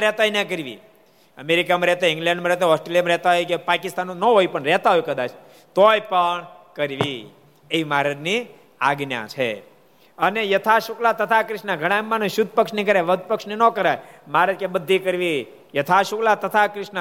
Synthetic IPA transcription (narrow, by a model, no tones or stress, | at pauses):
ɾɛt̪ajnakəɾʋḭ | əmeɾikamãɾɛɦt̪aɪ̃ŋɡlɛ̃ɳɖmãɾɛt̪eɦɔsʈɾeljamɾɛt̪aɦojkepakɪst̪anũnəɦojpəɳɾɛɦt̪aɦojukəd̪at͡ʃʰ | t̪ojpəɳ | kəɾʋḭ | eimaɾəni | a̰ɡnja̰t͡ʃʰḛ | ənejət̪ʰaʃuklat̪ət̪ʰakɾɪʃnaɡʱəɽ̃amːanõʃʊd̪̚ʱpəkʃnikəɾeʋəd̪̚ʱpəkʂnenokəɾajmaɾəkebəd̪ʱːikəɾʋi | jət̪ʰaʃuklat̪ət̪ʰakɾɪʃna